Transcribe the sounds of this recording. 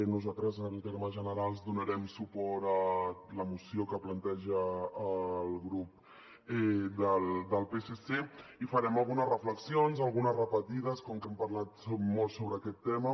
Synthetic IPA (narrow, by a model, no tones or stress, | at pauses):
nuzat̪ɾəzənəlˠt̪eɾməʒənəɾalˠzd̪unəɾɛmsupɔɾələmusiokəplənt̪ɛʒəː | lˠɣɾup̚ | ɛd̪əld̪əlˠpeseseifəɾɛməlˠɣunəzrəfləksionzəlˠɣunəzrəpət̪iðəskoŋkɛmpəɾlat̪molˠsoβɾəːkɛt̪ːɛmə